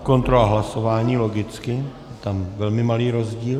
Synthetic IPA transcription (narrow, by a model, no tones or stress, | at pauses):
ko̞nt̪ɾolaɦlaso̞vaːɲiːlo̞ɡɪt͡skɪjɛt̪amvɛlmɪmaliːɾo̞zɟiːl